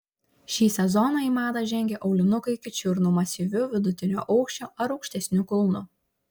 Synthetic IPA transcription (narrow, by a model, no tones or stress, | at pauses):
ʃʲiːsʲɛzɔnɑiːˑmɑːd̪ɑʒʲɛŋʲɡʲɛʔɒʊlʲɪnʊkɐɪkʲɪt͡ʃʲʊɾnʊmɐsʲiːˑʋʲʊʋʲɪd̪ʊt̪ʲɪnʲoːʔɐʊkʃʲt͡ʃʲoːʔɐɾɒʊkʲʃʲt̪ʲɛsʲnʲʊkʊlˠnʊ